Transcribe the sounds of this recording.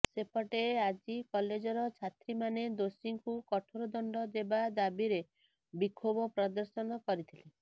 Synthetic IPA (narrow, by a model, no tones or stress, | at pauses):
sepɔʈead͡ʒikɔled͡ʒɔɾɔt͡ʃʰat̪ɾimaned̪osiŋkukɔʈʰoɾɔd̪ɔɳɖɔd̪ebad̪abiɾe | bikʰobɔpɾɔd̪ɔɾsɔnɔkɔɾit̪ʰile